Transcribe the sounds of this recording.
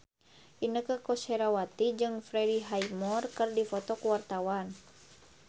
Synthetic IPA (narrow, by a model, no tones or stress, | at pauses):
ʔinəkəkɔsɛɾawat̪id͡ʒɨŋfɾɛdiɦajmɔrkɨrdifɔt̪ɔkuwart̪awan